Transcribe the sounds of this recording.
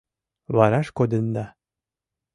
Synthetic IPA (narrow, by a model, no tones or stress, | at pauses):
βɑɾɑʃkod̪ə̆nd̪ɑ